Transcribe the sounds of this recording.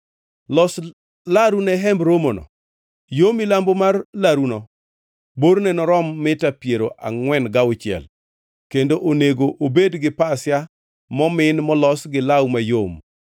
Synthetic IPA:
lɔs | laɾunɛɦɛmbɾomonɔ̰ | jomilambomarlaɾunɔ | boɾnɛnɔɾɔmːɪtapjeɾoʔa̰ŋwɛnɡawʊt͡ʃɪɛ̰l | kendoʔoneɡoʔobedɡɪpasja | mɔmɪnmɔlɔsɡɪlawmajom

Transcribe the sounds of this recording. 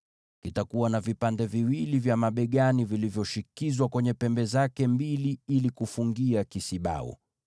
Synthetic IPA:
kitakuwanavipandɛviwilivjamaɓɛɠanivilivjɔʃikizwakwɛɲɛpɛmbɛzakɛmbiliilikufuŋɡiakisiɓa̰ṵ

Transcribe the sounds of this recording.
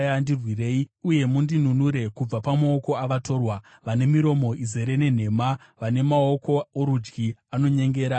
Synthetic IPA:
andirwire̞ːiuje̞mundin̤unuɾe̞kub͡vapamao̞ko̞aʋato̞ːrwa | ʋane̞miɾo̞mo̞ʔize̞ɾe̞ne̞n̤e̞ma | ʋane̞mao̞ko̞oɾud͡ʒɡiano̞ɲe̞ŋɡe̞ːɾa

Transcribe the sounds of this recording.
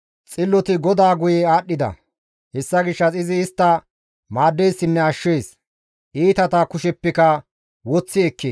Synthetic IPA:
t͡sʼɪlːɔt̪ɪɡɔd̪aːɡʊjɛaːɗːɪd̪ɐ̰ | hɛsːɐɡɪʃːɐsɪzɪːst̪ːɐ | maːd̪ːejsːɪnːɛɐʃːeːs | ʔiːt̪ɐt̪ɐkʊʃɛpːɪkɐ | wɔt͡sːɪɛkːe

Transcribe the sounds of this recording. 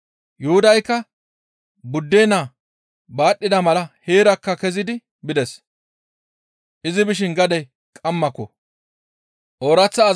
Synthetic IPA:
jʊhʊd̪ɐjkːɐ | bʊd̪ːeːnaː | baːɗːɪd̪ɐmɐlɐheːɾɐkːɐkɛzɪd̪ɪ | bɪd̪ɛs | ʔɪzɪbɪʃ̬ɪnɡɐd̪ɛj | kʼɐmːɐkːɔ | ʔoːɾɐt͡sːɐː

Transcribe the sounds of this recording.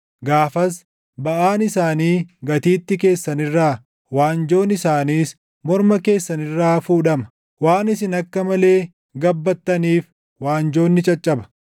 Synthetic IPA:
ɡaːfɐs | bɐʔaːnɪsaːniːɡɐt̪iːt̪ːɪke̞ːsːɐnɪrːaː | waːnd͡ʒo̞ːnɪsaːniːs | mɔɾmɐke̞ːsːɐnɪrːaːfuːᶑɐmɐ̥ | waːnɪsɪnɐkːɐmɐle̞ː | ɡɐbːɐt̪ːɐniːf | waːnd͡ʒo̞ːnːɪt͡ʃʼɐt͡ʃʼːɐbɐ̥

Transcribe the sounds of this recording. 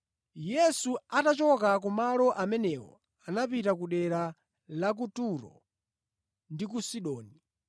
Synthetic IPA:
jɛsuatat͡ʃɔkak̬umalɔʔamɛnɛwɔ̰ | anapitakuɗɛɾa | lak̬utuɾɔ̰ | ndikusiɗɔːni

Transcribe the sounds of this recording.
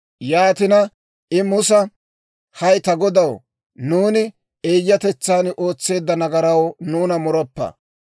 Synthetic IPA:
jaːt̪ɪnɐ | ɪmʊsɐ | hɐjt̪ɐɡɔd̪ɐw | nuːnɪ | eːjːɐt̪ɛt͡sːaːnʔo̞ːt͡sːe̞ːd̪ːɐnɐɡɐɾɐwnuːnɐmʊɾɔpːɐ̰

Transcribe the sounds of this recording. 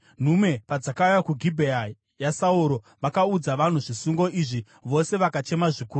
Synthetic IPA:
n̤ume̞pad͡zakaujakuɡʱibʱea | jasauɾo̞ | ʋakaud͡zaʋan̤uʐisuŋɡo̞iʐi | ʋo̞se̞ʋakat͡ʃe̞maʐiku

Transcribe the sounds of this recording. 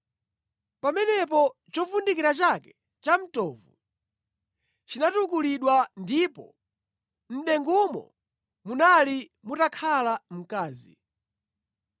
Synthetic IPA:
pamɛnɛp̬ɔt͡ʃɔvundikiɾat͡ʃakɛ̥ | t͡ʃam̩tɔːvu | t͡ʃinatukuliɗwandipɔ | n̩ɗɛŋɡumɔ̰ | munalimutakʰalam̩kaːzḭ

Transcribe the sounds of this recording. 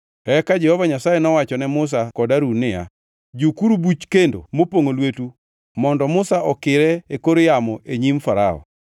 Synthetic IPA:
ɛkad͡ʒɛhɔvaɲasajɛnɔwat͡ʃɔnɛmʊs̬akɔdaɾunɪa̰ | d͡ʒukuɾubut͡ʃkendo̰mopoŋolwetu | mɔndɔmʊsaʔɔkɪɾɛekoɾojamɔʔeɲimfaɾaɔ̰

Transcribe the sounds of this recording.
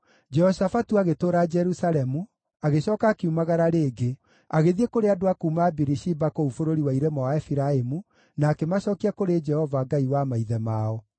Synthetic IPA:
d͡ʒɛhɔʃafatuaɣetoːɾad͡ʒɛɾusaɾɛmu | aɣeɕɔːkaːkeumaɣaɾaɾeːɡe | aɣeðiekoɾeadoakuːmaːbiɾiʃibakoufoɾoɾiwaiɾemɔwaɛfiɾaemu | naːkemaɕɔːkiakoɾed͡ʒɛhɔvaːɡaiwamaiðɛmaɔ

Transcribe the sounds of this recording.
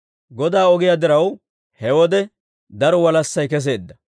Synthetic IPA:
ɡɔd̪aːɔɡɪjad̪ɪɾɐw | hɛwɔd̪ɛ | d̪ɐɾɔwɐlɐsːɐjkɛs̬e̞ːd̪ːɐ

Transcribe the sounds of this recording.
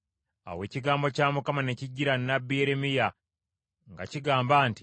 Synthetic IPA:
a̰we̞ːciɡaːmbo̞caːmukamane̞ciɟːiɾanːabːijeɾemija | ŋɡaciɡaːmbaːnti̥

